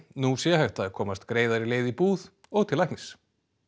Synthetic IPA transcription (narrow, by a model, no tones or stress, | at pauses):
nusjɛhajxt̪aɛkʰɔːmast̪kɾeːjðaɾɪleːjðipuːð | ɔɣt̪ʰɪlajhknɪs